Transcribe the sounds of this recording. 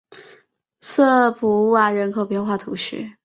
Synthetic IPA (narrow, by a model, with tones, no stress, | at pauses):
sɤ˥˩pu˧˥u˥˩a˧˩ɻə˧˥nkʰo˨˩ʊpjɛ˥˧nxwa˥˩t̪ʰu˧˥ɕy̰˥˩